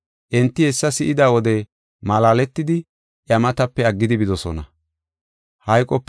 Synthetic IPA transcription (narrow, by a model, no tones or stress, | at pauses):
ʔɛnt̪ːɪhɛsːɐsɪʔɪd̪aːwɔd̪ɛ | malaːlɛt̪ːɪd̪ɪ | ʔjɐmɐt̪ɐpːɛɐɡːɪd̪ɪbɪd̪ɔsɔ̰nɐ̰ | hɐjkʼːɔpː